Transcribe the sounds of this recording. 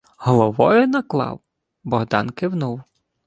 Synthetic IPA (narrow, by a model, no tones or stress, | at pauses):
ɦɔlˠɔʋɔjʊnɐklˠɑ̰w | bɔɦd̪ɑnkɪwnuw